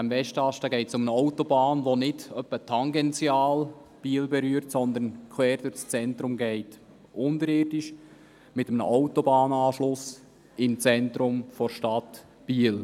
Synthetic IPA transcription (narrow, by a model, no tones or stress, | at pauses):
æmvɛʃtɑʃtəɡɛɪtsʊmənəɔʊtobɑːnʋonɪdœpːətʰɑŋɡɛnt͡sjɑːlb̥iːəlbɛɾyːəɾtsɔnd̪ənkʰwɛːɾd̥ʊt͡st͡sɛntɾʊmɡɛɪt | ʔʊndəɾɪːrdɪʃ | mɪtəmnə̰ʔɔwtobɑːnɑːʃlʊs | ɪmt͡sɛnt̪ɾʊmfɔɾʃtɑt | b̥iːəl